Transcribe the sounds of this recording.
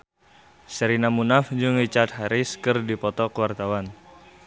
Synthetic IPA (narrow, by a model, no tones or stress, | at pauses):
səɾinamunafd͡ʒuŋrit͡ʃat̪̚ɦaɾiskɨrdipɔt̪ɔkəwart̪awan